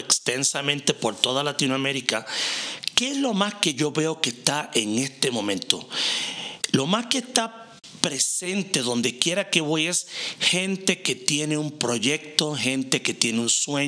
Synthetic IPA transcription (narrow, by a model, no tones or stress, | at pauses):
ekst̪ensamẽnt̪e̞po̞ɾt̪o̞ðalat̪inwame̞ɾika | ke̞ezlo̞maske̞ʝo̞βe̞o̞kest̪aʔeŋe̞st̪e̞mõ̞mẽ̞nt̪o̞ | lo̞maskest̪a | pɾe̞se̞nt̪e̞ðo̞nd̪e̞kje̞ɾake̞βoje̞sxe̞nt̪e̞ke̞t̪je̞ne̞umpɾo̞ʝe̞k̚t̪o̞xe̞nt̪eke̞t̪je̞neunswe